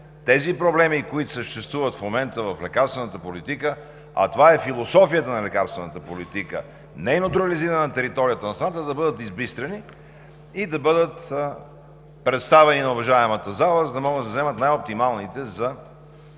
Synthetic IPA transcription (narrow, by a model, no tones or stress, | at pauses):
t̪ɛzipɾoblɛmikoit̪ʊ̥səʃt̪ɛst̪vuvət̪fmomɛnt̪əvɐflɛkaɾst̪vɛnət̪əpolit̪ikə | ɐ̰t̪ovaɛfilˠosɔfijət̪ənɐlɛkaɾst̪vɛnət̪əpolit̪ikə̰ | nɛnot̪ɾɐliziɾənɐt̪ɛɾit̪ɔɾijət̪ənɐst̪ɾɐnat̪əd̪ɐbɤd̪ət̪izbist̪ɾɐni | id̪ɐbɤd̪ət̪ | pɾɛt̪st̪avɛninɐʊvɐʒaɛmət̪əzalˠəzəd̪ɐmɔɡəd̪d̪ɐzɛmət̪najop̚t̪imalˠnit̪ɛzɐ